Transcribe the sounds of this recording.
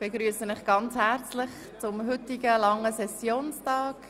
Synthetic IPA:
b̥eɡɾyːəsənɪχɡ̥ɑnt͡shæɾt͡slɪχ | t͡sʊmɦʏtɪɡəlɑŋəsɛsjoːnstɑːk

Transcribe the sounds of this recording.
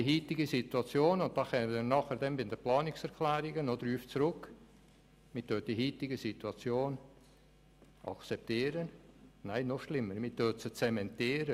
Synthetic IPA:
diɦiːtɪɡəsit̪uɑt͡sjoːnʊnt̚d̥ɑχɛnənɑːχəɾdɛmbɪnd̪əplɑːnɪksɛɾkʰlɛːɾɪɡənod̪ɾyːft͡sɾʊk | mɪtøːt̚d̥iɦiːtɪɡəsituɑt͡sjoːn | ʔɑ̰kt͡sɛp̚t̪iːɾənnaɪnɔʃlɪmːəɾmit̪øt͡sət͡sɛmɛntiːɾə

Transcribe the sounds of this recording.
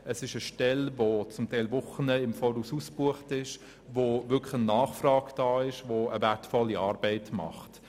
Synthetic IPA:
əsɪʃəʃtɛlvot͡sʊmtʰɛɪlvʊχənəɪmfɔːɾususb̥uəχtɪʃ | vovʏkχənːɑːχfrɑːɡd̥ɑːɪʃvoəvætfɔlːiɑːɾbɛɪtmɑ̰χt

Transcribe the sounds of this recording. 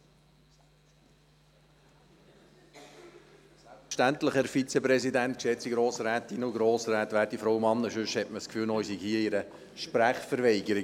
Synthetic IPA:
ʃtænt̪ləχəɾfit͡sɛpɾɛsidænt̪kʃɛt͡siɡɾoːsɾæːt̪inʊɡɾoːsɾæːtʋæːɾtifɾɔwmɑnːəʃʉʃhɛtməskfyːlnoisiɡhiːəiɾə | ʃpɾæχfəɾʋɛɪɡəɾi

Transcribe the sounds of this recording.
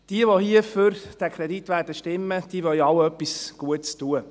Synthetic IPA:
d̥iəʋohiəfʏɾd̥ækʰɾɛditʋæːrdəʃtɪmːəd̥iəʋœlɑwœpːisɡ̥uətstuə

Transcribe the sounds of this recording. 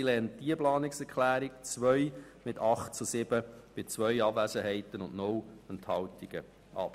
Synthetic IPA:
ilɛnt̚d̥iəplɑːnɪksɛɾkχlæːɾɪkt͡sʋœʏ | mɪtʰɑχtt͡susɪb̥əb̥ɪt͡sʋœʏɑbvæsəɦɛɪtənʊnʔnʊwɛnthɑwtiɡ̥ə | ʔɑ̰p

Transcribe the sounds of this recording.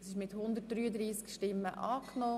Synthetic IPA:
sɪʃmɪt̪hʊnd̪ət̚d̥ɾyːəd̪ɾiːskʃtɪmːəʔɑːkno

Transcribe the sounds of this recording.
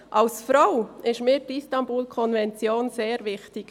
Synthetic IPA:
ʔɑlsfɾaʊɪʃmiːɾdistɑnbuːlkʰɔnvɛnt͡sjoːnzeːɾvɪxtɪk

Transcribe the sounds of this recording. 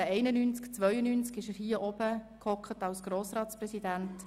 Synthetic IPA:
əɛɪnənynt͡skt͡sʋœʏənynt͡skɪʃəɾhiːəʔɔb̥əkʰɔkχətɑlsɡ̥ɾoːsɾɑːtt͡sprɛsidænt

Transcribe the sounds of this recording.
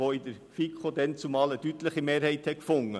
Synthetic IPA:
oɪdəɾ | fikχod̪ɛnt͡sumɑːlədytləχimeːɾhɛɪthɛkfʊŋːə

